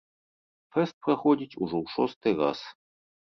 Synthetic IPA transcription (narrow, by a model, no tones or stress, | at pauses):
fɛst̪̚pɾɐxɔdʲit͡sʲuʐɔwʂɔst̪ɨjra̰s